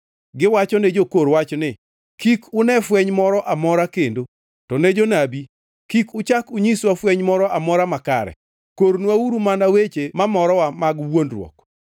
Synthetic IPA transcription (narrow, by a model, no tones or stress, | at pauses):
ɡɪwat͡ʃɔned͡ʒokoɾwat͡ʃnɪ | kikʰʊnɛfwɛɲmɔɾɔʔamɔɾakendo | tɔned͡ʒonabi | kikʊt͡ʃakʊɲiswafwɛɲmɔɾɔʔamɔɾamakaɾɛ̰ | koɾnwauɾumanawet͡ʃemamɔɾɔwamaɡwondrwɔ̰k